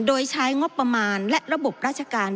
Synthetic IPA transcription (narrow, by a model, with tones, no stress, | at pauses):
doː˧jt͡ɕʰa˦˥jŋo˦˥pːɾa˧maː˧nlɛ˦˥ʔɾa˧bo˨˩p̚ɾaː˥˩t̪̚t͡ɕʰa˧kaː˧n